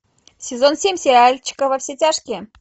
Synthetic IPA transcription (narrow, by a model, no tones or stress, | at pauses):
sʲɪzo̞nsʲemʲsʲɪɾʲɪalʲt͡ɕɪ̥kəvɐfsʲetʲaʂkʲɪ